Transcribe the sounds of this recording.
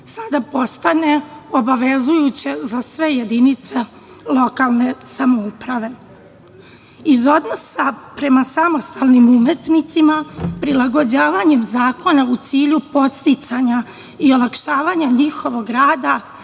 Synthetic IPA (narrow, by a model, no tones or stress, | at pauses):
sad̪apo̞st̪ane̞o̞baʋe̞zujut͡ɕe̞zasʋe̞je̞d̪init̪se̞ | lˠo̞kalˠne̞samoupɾaʋe̞ | izo̞d̪no̞sapɾe̞masamo̞st̪alnimumet̪nit̪simapɾilˠaɡo̞d͡ʑaːʋaɲe̞mzaːko̞naut̪siːʎupo̞t̪st̪it̪saɲa | io̞lˠakʃaːʋaɲaɲixo̞ʋo̞ɡɾaːd̪a